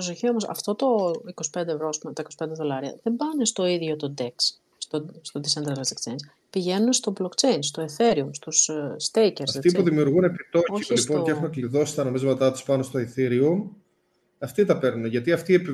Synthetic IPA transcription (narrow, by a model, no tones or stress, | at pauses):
osoçio̞mosɐ̰ft̪o̞t̪o̞iko̞si̥pe̞nd̪evɾo̞ɐspumet̪ɐiko̞si̥pe̞nd̪e̞ðo̞lɐɾiɐ̰ðe̞mbɐnest̪o̞iðʝo̞t̪o̞d̪e̞ks | st̪ost̪o̞d̪isend̪ɾɐlɐzikt͡ʃejns | piʝe̞nunest̪o̞blokt͡ʃe̞jnst̪o̞eθeɾiumst̪usst̪eceɾɐset̪ipuðimiuɾɣunepit̪ooilipo̞nceexumekliðo̞si̥t̪ɐno̞mizmɐt̪ɐt̪i̥spɐno̞st̪oiθiɾium | ɐft̪it̪ɐpe̞ɾneʝɐt̪iɐft̪iepi